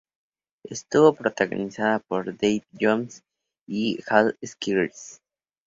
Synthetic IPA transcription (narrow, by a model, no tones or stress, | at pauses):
est̪uβo̞pɾot̪aɣo̰nisaðapoɾd̪ejbd͡ʒoms | ixaleskiɾeɾs